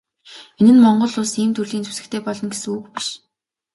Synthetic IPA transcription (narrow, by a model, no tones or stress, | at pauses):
enɘ̆nmɔɴɢɞ̆ɮʊːsiːmt̪ʰɵrɮiːnt͡sɵ̥sɘ̆kt̪ʰeːpɔɮɞ̆nɡesɘ̆ŋukpi̥ʃ